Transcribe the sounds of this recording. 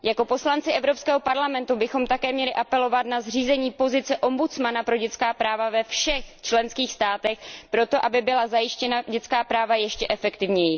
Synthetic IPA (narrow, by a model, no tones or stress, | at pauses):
jako̞po̞slant͡sɪʔɛvɾo̞pskɛːɦo̞paɾlamɛnt̪ubɪxo̞mt̪akɛːmɲɛlɪʔapɛlo̞vat̪nazr̝iːzɛɲiːpo̞zɪt͡sɛʔo̞mbut͡smanapɾo̞ɟɛt͡skaːpɾaːvavɛfʃɛxt͡ʃlɛnskiːxst̪aːt̪ɛxpɾo̞t̪o̞ʔabɪbɪlazajɪʃcɛnaɟɛt͡skaːpɾaːvajɛʃcɛʔɛfɛkt̪ɪvɲɛjɪ